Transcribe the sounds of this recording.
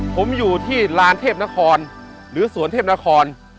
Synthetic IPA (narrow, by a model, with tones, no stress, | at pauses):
pʰo˩˦mjuː˨˩t̪ʰiː˥˩ɾaː˦˥nt̪ʰeː˥˩p̚na˦˥kʰɔː˧n | ɾɯː˩˦su˩˦ənt̪ʰeː˥˩na˦˥kʰɔː˧n